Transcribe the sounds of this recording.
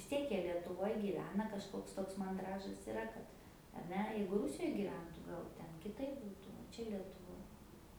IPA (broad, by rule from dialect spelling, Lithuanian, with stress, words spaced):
ʋʲɪs ˈtʲiɛk ˈjiɛ lʲiɛtʊˈʋoːj ɡʲiːˈʋʲæːnɐ kɐʃˈkoːks ˈtoːks mɐnˈdrɑːʒɐs ɪˈrɐ kɐt ɐr ˈnʲɛ ˈjɛɪɡʊ ˈrʊsʲɪjoːj ɡʲiːˈʋʲɛntʊ ˈɡɐlˠ ˈtʲɛn kʲɪˈtɐɪp ˈbuːtʊ oː ˈt͡ʃʲɛ lʲiɛtʊˈʋoːj